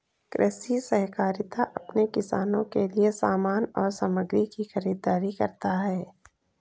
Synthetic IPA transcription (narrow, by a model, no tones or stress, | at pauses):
kɾʔɛːsisɐɦkaːɾɪt̪aʔɐpnekɪsaːnõkeliesaːmaːnɔːɾsaməɡɾikixɐɾiːd̪aːɾikɐɾt̪aɦɛː